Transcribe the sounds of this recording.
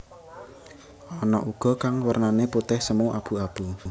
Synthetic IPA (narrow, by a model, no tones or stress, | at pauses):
ɔnɔʔuɡ̥ɔ̤kaŋwərnaneput̪ɪhsəmuʔab̥ṳab̥u